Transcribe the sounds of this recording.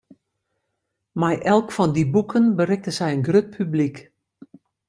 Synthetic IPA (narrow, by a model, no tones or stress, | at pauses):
majʔɛlˠkfɔndibukʰənbərɪk̚təsɛjənɡrøt̚pʰyblik